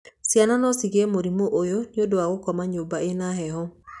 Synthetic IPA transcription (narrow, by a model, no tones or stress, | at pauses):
siananɔsiɣɛmoɾimoʔojoniodoaɣokɔmaɲobaenaɦɛɦɔ